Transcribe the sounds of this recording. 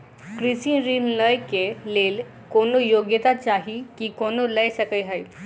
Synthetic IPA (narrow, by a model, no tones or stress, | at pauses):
kɾisĩɾimləjkelel | konojoɡjət̪at͡ɕaɦikikonoləjsəkəjɦaj